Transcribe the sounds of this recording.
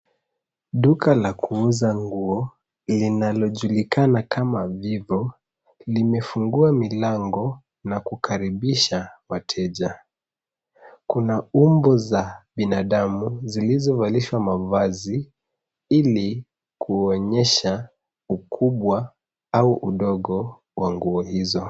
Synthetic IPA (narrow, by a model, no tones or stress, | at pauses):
ɗukalakuuzaŋɡuɔ | linalɔʄulikanakʰamavivɔ | limɛfuŋɡuamilaŋɡɔ | nakukʰaɾiɓiʃawatʰɛʄa | kunaumbɔzaɓinaɗamuzilizɔvaliʃwamavazi | ili | kʰuɔɲɛʃa | ukʰuɓwa | auʔuɗɔɠɔ | waŋɡuɔhizɔ